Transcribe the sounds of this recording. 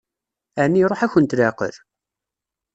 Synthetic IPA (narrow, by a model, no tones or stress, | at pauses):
ænːiɾˤoħæçənt̪ləqə̰ɾ